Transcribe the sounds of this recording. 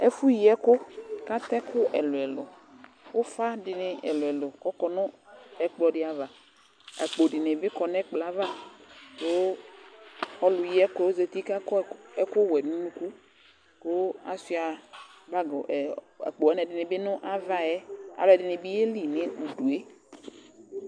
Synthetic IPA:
ɛ˦fu˦ji˨˦ɛ˦kʊ˦ka˦tɛ˦kʊ˦ʔɛ˨lʊ˨ɛ˨lʊ̰˨ | ʊ˦fa˦dɪ˨nɪ˨ɛ̰˨lʊ˨ɛ˨lʊ˨kɔ˦kɔ˨nʊ˦ɛ˨k͡plɔ˨dɪ˦a˨va˨ | a̰˨k͡po˨dɪ˨nɪ˨bɪ˦kɔ˨nɛ˦k͡pla˨˦va˦ko˦ | ɔ˦lʊ˨ji˦ɛ˦ko˨˦ze˨ti˦ka˦kɛ˦kʊ˦˨wɛ˨nũ˦nũ˦ku˦ | ko˦a̰˨si˦a˨ba˦ɡ | a̰˨k͡po˨ɛ˦nɛ˨dɪ˨nɪ˨˦bɪ˦nʊ˦ʔa˦va˦ɛ˦a̰˨lʊ˨ɛ˨dɪ˨nɪ˨bi˦e˦li˨nɪ˦u˨du˨e˦

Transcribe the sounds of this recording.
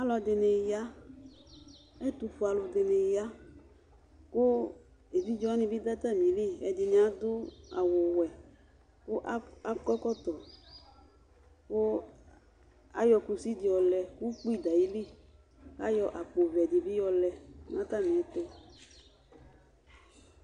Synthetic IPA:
a˦lɔ˨d̪e˨ne˨ja˦ | ɛ˦t̪u˨fo˨˦a˨lo˨d̪e˨ne˨ja˦ | ko˦ | e˨vi˦d͡ʒɔ˦nĩ˨bi˦d̪a˦t̪a˦mĩ˨˦le˦ɛ̰˨di˨nĩ˨˦a˦d̪ʊ˦a̰˨wo˨wɛ˨ | ko˦ʔa˦kɔ˦kɔ˦t̪ɔ˨ | ko˦ | a̰˦jɔ˧ku˨si˦di˨ɔ˨lɛ˨ku˦k͡pi˦˨d̪a˨ji˦li˦˨ | ka̰˦jɔ˨ʔa˨k͡po˨vɛ˨di˨bi˦jɔ˦lɛ˨˦nã˦t̪a˦˨mĩ˨ɛ˨t̪o˦

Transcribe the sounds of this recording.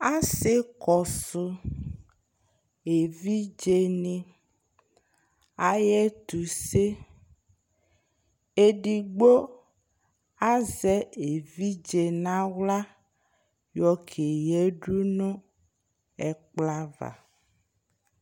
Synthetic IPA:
a˦se˦kɔ˨su˨ | e˨vi˦d͡ʒe˨nĩ˨ | a˨jɛ˦t̪u˨se˦ | e˦ɖi˨ɡ͡bo˦ | a˦zɛ˦e˨vi˦d͡ʒe˨nã˦wla˦ | jɔ˦kʰe˨jɛ˦ɖu˦nõ˦ | ɛ˦k͡pla˦va̰˨

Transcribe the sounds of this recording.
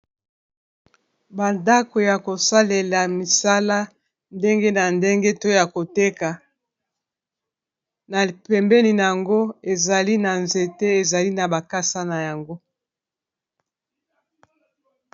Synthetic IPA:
ba˨nda˦ko˨ja˨ko˨sa˦le˨la˨mi˨sa˦la˦ | nde˦ŋɡe˦na˨nde˦ŋɡe˦to˦ja˨ko˨te˦ka˨ | na˨pɛ˨mbɛ˦ni˨na˨ja˨ŋɡo˦e˨za˨li˦na˨nze˨te˦e˨za˨li˦na˨ba˨ka˦sa˦na˨ja˨ŋɡo˦

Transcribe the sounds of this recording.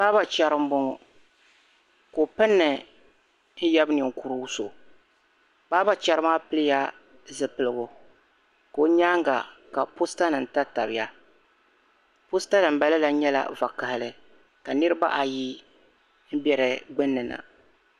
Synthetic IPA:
baː˦ba˨t͡ʃa˨ɾɨ˦m̩˦bʊ˦ŋɔ˨ | ko˨pɨ˦nːɨ˨ | n̩˦jɛ˦bnɨ˨ŋ̩˨ku˦ɾu˦so˨ | baː˦ba˦t͡ʃa˨ɾɨ˦maː˦pɨ˦lɨ˦ja˦ | zɨ˨pɨ˨lɨ˨ɡʊ˨ | ko˨˦ɲaː˦ŋɡa̰˨ka˨po˦sta˦nɨ˨n̩˨ta˦ta˨bɪ˨ja˦ | po˦sta˦nɨ˨m̩˦ba˦lɨ˦la˦ɲɛ˦la̰˨va˨ka˨hɪ˨lɨ˦ | ka˨nɨ˦ɾɨ˦ba̰˦ʔa˨ji˦ | n̩˦bjɛ˨ɾɨ˨ɡ͡bɨ˦nːɨ˨na̰˨

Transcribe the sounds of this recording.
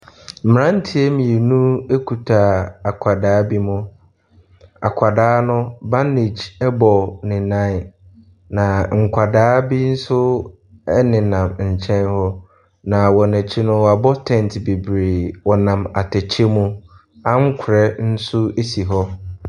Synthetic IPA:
m̩˨m˨ɾã˦n̩˦tʰi˦e˦mĩ˨e˨nũ˦e˦kʰu˨tʰa˨a˨kʷʰa˨daː˨˦bi˦mʊ̃˦ | a̰˨kʷʰa˨daː˦nʊ̃˦ba˦ne˨d͡ʑɛ˦bɔ˨nɪ̃˨nã˦˨ | nã˨ŋ̩˨kʷʰa˨daː˦bi˦n̩˦sʊ˦ | ɛ˦nɪ̃˨nã˨mɲ̩˨t͡ɕʰɛ̃˦nhɔ˦ | nã˨wɔ˨nɛ̃˨t͡ɕʰɪ˦nʊ̃˦wa˨bɔ˦tʰɛ̃˦˨n˨tbe˨bɾe˨wɔ˨nã˨ma˨tʰɛ˨t͡ɕʰe˦mũ˦ | ã˦ŋ̩˦kʰʊ˨ɾɛ˦n̩˦sʊ˦e˦si˨ɦɔ˦

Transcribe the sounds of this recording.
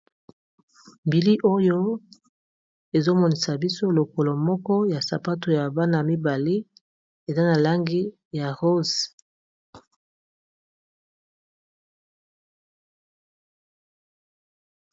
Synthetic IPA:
mbi˨li˦ʔo˦jo˦ | e˨zo˦mɔ˨ni˨sa˨bi˦so˦lo˨ko˨lo˨mɔ˦kɔ˦ja˨sa̰˨pa˦to˨ja˨ba˦na˨mi˦ba˨li˦ | e˨za˦na˨la˦ŋɡi˦ | ja˨ʁo˦z

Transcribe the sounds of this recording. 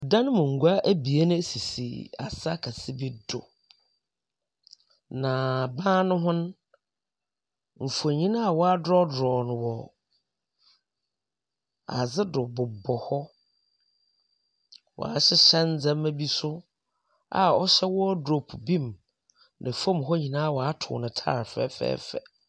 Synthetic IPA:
dã˦ñ˦mʊ̃˨ŋ̩˨ɡu˦a˦ʔæ˦bi˨e˦nʊ̃˦e˦si˨sḭ˨a̰˨sa˦kʰa˨sɪ˦bi˦dʊ̰˨ | nã˨bãː˦nʊ̃˦ɦʊ̃˦n˦ | m̩˨fo˨ɲĩ˦nã˦a˨wɔ˦a˦dɾɔ˦dɾɔː˨nʊ̃˨wɔ˨ | a̰˨d͡zɪ˦dʊ˨bʊ˨bɔ˨hɔ˦ | wʔɔ̰˨a˨ɕɪ˦ɕɛ˦n˦d͡zɛ̃˦mæ˦bi˦sʊ˦ | a̰˨ɔ˦ɕɛ˦wɔ˦ɔ˦do˨pʰu˨bĩ˦m | nɪ̃˨fɔ̃˦mɦɔ˦ɲĩ˨nã˦a˦˨wɔ˨a˦tʰʊ̰˨nɪ̃˨tʰa̰ː˦˨ɾfɛ̰ː˦fɛ̰ː˦fɛ̰˨

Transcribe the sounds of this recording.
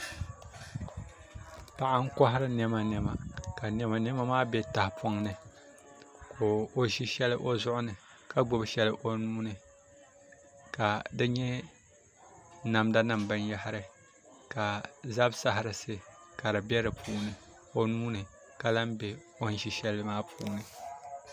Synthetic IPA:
pa˨ʔa˦ŋ̩˦kɔ˦ɦɪ˦ɾɨ˦nɛ˦ma˨nɛ˦ma˨ka˨nɛ˦ma˨nɛ˦ma˦maː˦bɛ˦ta˨hpʰo˦ŋnɨ˨ | kʰoː˨o˦ʒi˦ʃɛ˦lɨ˦ʔo˦zʊ˦ʔʊ˦nɨ˨ | ka˦ɡ͡bʊ˦˨bʃɛ˦lɨ˦ʔo˦nuː˦nɨ˨ | ka˨dɨ˦ɲɛ˦ | na˨mda˦na˨mbɨ˦n˦ja˦hɪ˦ɾɨ˦ | ka˨za˦bsa˦ɦɪ˨ɾɨ˨sɨ˦ka˨ɾɨ˨bɛ˦ɾɨ˨pʰuː˦nɨ˨ | o˦nuː˦nɨ˨ | ka˨la˦mbɛ˦ | o˦n˦ʃi˨ʃɛ˦lmaː˦pʰṵː˦˨˦nɨ˨

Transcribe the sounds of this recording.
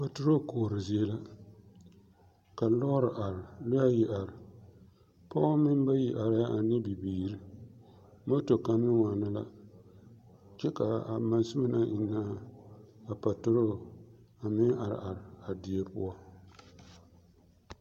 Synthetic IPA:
pa˨tʊ˦ɾo˦˨koː˨ɾɨ˨zi˦e˦la˦ | ka˨lɔ˦ɾɨ˨ʔa˨ɾɪ˨lɪ˦a˦ji˨ʔa˨ɾɪ˨ | pa˦mɪ˦m˦ba˦ji˨ʔa˨ɾɪ˦ja˦ʔa˨nɪ˦bi˨biː˨ɾi˦ | mo˦to˨ka˨nɪ˦ŋa˨na˦la̰˦ | t͡ʃɛ˦ka˨a˨ma˨n˦sɪ˦ma˦na˦ʔi˨nːaː˦ | a˨pa˨tʊ˦ɾo˦˨ | a˨mɪ˦a˨ɾɪ̰˨ʔa˨ɾɪ˨a˨di˨e˦pʊ̰˦a˦

